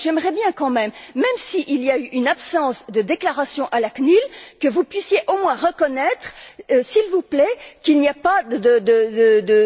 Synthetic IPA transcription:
ʒɛmʁɛbjɛ̃kɑ̃mɛmːɛmsiʔiliayʔynapsɑ̃sd̪əd̪eklaʁasjɔ̃ʔalaknylkəvupɥisjeʔomwɛ̃ʁəkɔnɛt̪χsilvuplɛkilniapad̪əd̪əd̪əd̪ə

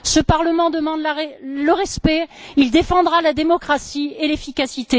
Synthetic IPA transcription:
səpaʁləmɑ̃d̪əmɑ̃d̪laɛləʁɛspɛild̪efɑ̃d̪ʁalad̪emɔkχasielefikasit̪e

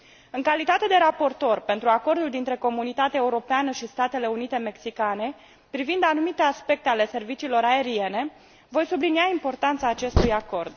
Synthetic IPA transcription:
ɨŋkalit̪at̪e̞d̪e̞ɾapo̞rt̪o̞rpe̞nt̪ɾuako̞rd̪uld̪int̪ɾe̞ko̞munit̪at̪eaeuɾo̞peanəʃist̪at̪e̞le̞unit̪e̞me̞ksikane̞ | pɾivind̪anumit̪easpe̞k̚t̪e̞ale̞se̞rvit͡ʃiːlo̞ɾae̞ɾie̞ne̞ | vo̞jsubliniaimpo̞rt̪ant̪saːt͡ʃe̞st̪ujako̞rd̪

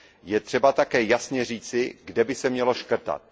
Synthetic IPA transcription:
jɛt̪r̥ɛbat̪akɛːjasɲɛr̝iːt͡sɪɡdɛbɪsɛmɲɛlo̞ʃkr̩t̪a̰t̪̚

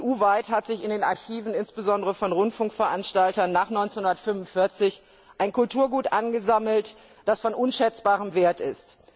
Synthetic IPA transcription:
ʔuːvaɪthatz̥ɪçɪndeːnaɐçiːvn̩ɪnsb̥əzɔndəʁəfɔnʁʊntfʊŋkfɛɐʔanʃtaltɐnːaːχnɔʏɪnt͡senhʊndɐtfʏmʊnfɪɐt͡sɪç | ʔaɪnkʰʊltʰuːɐɡuːtʔanɡəzaml̩t | d̥asfɔnʔʊnʃɛt͡sb̥aːʁ̞əmveːɐtɪst

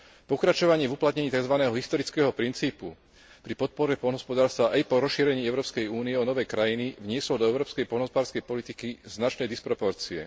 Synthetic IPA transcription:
pɔkɾat͡ʃɔʋaɲɪɛvuplat̪̚ɲɛɲiːt̪aɡzʋanɛːɦɔɦist̪ɔɾit͡skɛːɦɔpɾint͡siːpu | pɾipɔt̪̚pɔɾɛpɔlnɦɔspɔd̪aːɾst̪ʋaʔajpɔɾɔsʃiːɾɛɲiːɛʊɾɔːpskɛjuːniɛɔnɔʋɛjkɾajiniʋɲɪɛslɔd̪ɔɛʊɾɔːpskɛjpɔlnɦɔspɔd̪aːɾskɛjpɔlit̪ikiznat͡ʃnɛjd̪ispɾɔpɔɾt͡siɛ̰

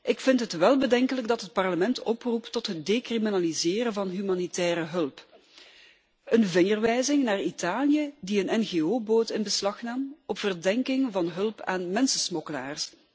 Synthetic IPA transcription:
ʔɪkfɪntɦətʋɛlˠbədɛŋkələɡdɑtɦət̚pɑrləmɛntʰɔpruptɔtɦət̚deːkriminalizɪːɾəvɑnɦymaːnitɛːɾəɦɵlˠp | ənvɪŋərʋɛjzɪŋnaːritaːljədiənɛnɣeːoːboːtɪnbəslɑxnaːmɔpfərdɛŋkɪŋvɑnɦɵlˠpa̰ːnmɛnsəsmɔkəla̰ːrs

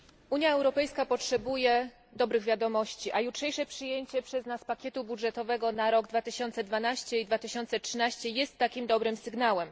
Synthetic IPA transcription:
ʔuɲjaɛwɾɔpɛjskapɔtʂɛbujɛ | d̪ɔbɾɘɣvʲjad̪ɔmɔɕt͡ɕiʔajutʂɛjʂɛpʂɘjeɲt͡ɕɛpʂɛznaspakʲjɛt̪ubudʐɛt̪ɔvɛɡɔnaɾɔɡd̪vat̪ɘɕɔnt̪sɛd̪vanaɕt͡ɕɛid̪vat̪ɘɕɔnt̪sɛtʂɘnaɕt͡ɕɛjɛst̪ːakʲimd̪ɔbɾɘmsɘɡnawɛm

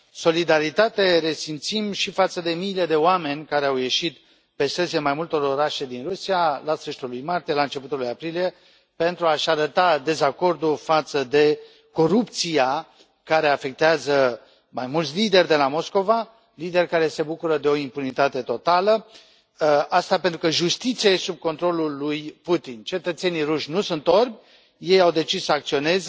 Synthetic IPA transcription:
so̞lid̪aɾit̪at̪e̞ɾe̞simt̪simʃifat̪səd̪e̞miːle̞d̪e̞oame̞nʲkaɾe̞awje̞ʃit̪ | pe̞st̪eziemajmult̪o̞ɾo̞ɾaʃe̞d̪inrusialast̪ɾəʃit̪ulujmart̪ije̞laɨnt͡ʃe̞put̪ulujapɾilije̞ | pe̞nt̪ɾuaʃaɾət̪ad̪e̞zako̞rd̪ulfat̪səd̪e̞ | ko̞ɾupt̪sija | kaɾe̞afe̞k̚t̪eazə | majmult̪ʲlid̪e̞rʲd̪e̞lamo̞sko̞va | lid̪e̞rkaɾe̞se̞bukuɾəd̪e̞o̞impunit̪at̪e̞t̪o̞t̪alə | ast̪ape̞nt̪ɾukəʒust̪it̪siaesub̚ko̞nt̪ɾo̞lulujput̪int͡ʃe̞t̪ət̪se̞niɾuʃʲnusunt̪o̞rbʲ | je̞jawd̪e̞t͡ʃissəak̚t̪sio̞ne̞z

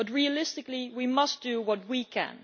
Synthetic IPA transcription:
b̥ʌt̚ɹiəlɪstɨkliwimʌsd̥ɨwʌt̚wikʰæ̰̃n

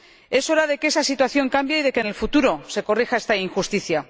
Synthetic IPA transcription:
e̞so̞ɾaðe̞kee̞sasit̪waθjo̞ŋkambjaiðe̞kene̞lfut̪uɾose̞ko̞rixae̞st̪aiŋxust̪iθja

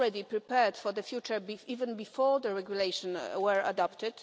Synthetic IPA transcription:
ɹɛdipɹipɛɹdfɔɹd̪əfjut͡ʃə˞biivɛ̃nbifɔɹd̪əɹɛɡjuleɪʃɔ̃nwɛɹa̰dɔpt̪ɪd̥

